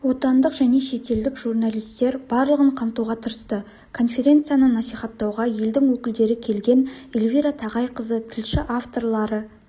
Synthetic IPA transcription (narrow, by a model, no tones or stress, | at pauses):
wo̞t̪ɑnd̪əqʒ̥æne̞ʃe̞t̪e̞ld̪ɪkʒurnalʲijst̪e̞ɾbɑɾlˠəʁəɴqʰɑmt̪uwʁɑt̪ʰəɾəst̪ə | kʰo̞nfʲe̞ɾʲe̞nt̪sɨjanənɑsijχɑt̪ːɑwʁɑje̞ld̪ɪŋwɵkʲɪld̪e̞ɾɪkʲʰe̞lɡʲe̞nelʲvʲiɾat̪ʰɑʁɑjqʰəzət̪ʰɪlʃɪʔaft̪o̞rlˠɑɾə